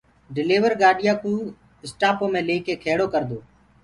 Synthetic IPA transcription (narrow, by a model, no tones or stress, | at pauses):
ɖɪleːʋəɾɡaːɗɪjaːkũː | ɪsʈaːpoːmẽːleːkeːkʰeːɽoːkəɾd̪oː